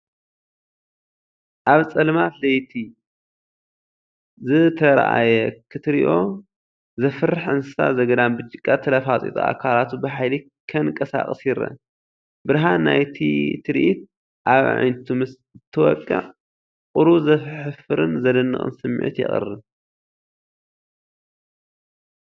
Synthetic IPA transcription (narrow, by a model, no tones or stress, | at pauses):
ʔaβt͡sʼɐlmat̪lɐjt̪ʰi | zɨt̪ʰɐɾa̰ʔa̰jɛkʰɨt̪ɾiʔo̞ | zɐfɨrɨħɨnsɨsa̰zɐɡɐd̪anbɨt͡ʃʼːɪkʼːɐt̪ʰɐlɐfat͡sʼḭt̪ʼua̰kʰalat̪ubɐħajli | kʰɐnkʼɐsa̰χʼɨsjɪɾɐ̰ | bɨɾɦana̰jt̪ʰḭt̪ʰɨɾʔit̪̚ | ʔaβʕa̰jnt̪ʰumɨs | ɨt̪ʰːɐwɔkʼːɨ̰ʕ | qʼʊɾuzɐfħɨfɨɾɨnzɐd̪ɨnːɨ̰χʼɨ̰nsɨmːḭʕḭt̪jɪ̰χʼɨ̰rɨ